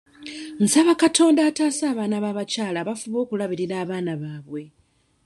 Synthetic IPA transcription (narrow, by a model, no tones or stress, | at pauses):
n̩saβakatʰo̞ːndaːtaːsaːβaːnaβaːβacaːlaβafuβo̞ːkulaβiɾiɾaːβaːnaβaːβwe̞